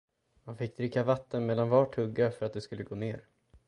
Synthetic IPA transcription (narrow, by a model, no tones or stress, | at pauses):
manfɪkːd̪ɾɪkːavat̪ʰːənmɛːd̪ːanvɑːʈʰːɵɡːafœɾat̪̚d̪ɛskɵlːəɡoːneːɾ